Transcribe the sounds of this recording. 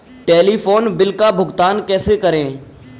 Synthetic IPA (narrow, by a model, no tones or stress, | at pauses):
ʈeːliːfoːnbɪlkabʱʊɡt̪aːnkɛːsekəɾẽː